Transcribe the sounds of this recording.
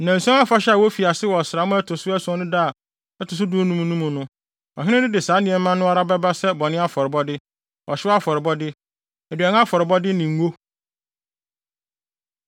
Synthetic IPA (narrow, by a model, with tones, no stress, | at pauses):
nã˨n̩˨sã˦a˦fa˦ɕɛ˦a˨wo˦fi˨a˨sɪ˦wɔ˨sɪ˨ɾa˨˦mʊ̃˦ɛ˦tʰʊ˨sʊ˦æ˦sɔ̃˦nʊ̃˦daː˦˨ | ɛ˦tʰʊ˨s̬ʊ˦dʊ̃˦nũ˦mũ˦nũ˦mũ˨nʊ̃˦ | ɔ˨ɦɪ̃˦nɪ̃˦dɪ˦dɪ˨saː˨˦nɪ̃˨ɛ˨˦mã˦nːʊ̃˦a˦ɾa˦bɛ˦ba˦sɛ˦bɔ˨nɪ̃˦a˦fɔ˨ɾɪ˨bɔ˦dɪ˦ | wɔ˨ɕɪ˦a˦fɔ˨ɾɪ˨bɔ˦dɪ˦ | ɛ˨dɥɛ˨n˦a˦fɔ˨ɾɪ˨bɔ˦dɪ˦nĩ˨ŋ˨˦wo˦